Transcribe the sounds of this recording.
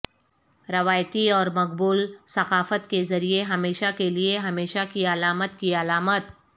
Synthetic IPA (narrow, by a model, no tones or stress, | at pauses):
ɾɐʋaːjt̪iɔːɾmɐq̚buːlsɐqaːfət̪kezɐɾieɦɐmeːʃakelieɦɐmeːʃakiɐlaːmət̪kiɐlaːmət̪